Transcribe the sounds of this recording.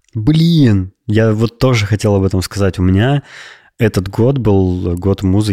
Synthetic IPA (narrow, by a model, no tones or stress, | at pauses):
blʲinjavo̞t̪ːo̞ʐɨxɐtʲe̞lˠɐbɛt̪əmskɐzatʲʊmʲɪnʲa | ɛt̪ət̪ɡo̞t̪bɨlˠɡo̞t̪muzɨ